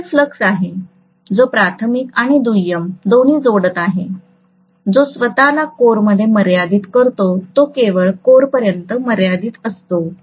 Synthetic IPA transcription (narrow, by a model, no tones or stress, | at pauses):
fləksaɦe | d͡zopɾat̪ʰəmikaɽ̃id̪ujəmd̪on̤iːd͡zoɽət̪aɦe | d͡zosʋət̪alakoɾməd̪ʱːjeməɾjad̪iːt̪kəɾt̪ot̪okeʋəɭkoɾpəɾjənt̪əməɾjad̪iːt̪əst̪o